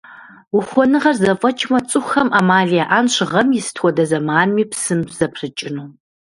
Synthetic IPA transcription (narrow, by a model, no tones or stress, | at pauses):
wʊχʷɔnɨʁɐrzɐfʼɐt͡ʃʰʼmɐt͡sʼɨxxɐmʔaːmaːɮijaʔaːnɕʁɐmjɪsɨ̥tʰwʷɔdɐzɐmaːnmiːpsɨmz̥ɐpʰrɨt͡ʃʼɪnuː